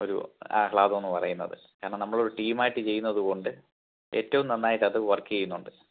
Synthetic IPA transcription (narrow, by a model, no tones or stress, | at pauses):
o̞ɾṵa̰ːhɭaːðonːɨpɐrɐjunːɐ̰ðɨ̰ | kaːɾɐɳɐnɐmːɐɭo̞ɾuʈiːmaːjiʈːɨt͡ɕe̞jːunːɐðuko̞ɳɖɨ | e̞ːtːɐʋumt̪ɐnːaːjiʈːɐðɨʋɐrkːɨjɐjunːuɳɖɨ